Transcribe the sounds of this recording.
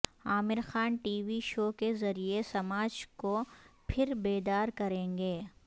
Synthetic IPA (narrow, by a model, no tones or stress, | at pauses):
aːmɪɾxaːnʈiːʋiʃoːkezɐɾiesɐmaːd͡ʒkopʰɪɾbeːd̪aːɾkɐɾẽːŋɡeː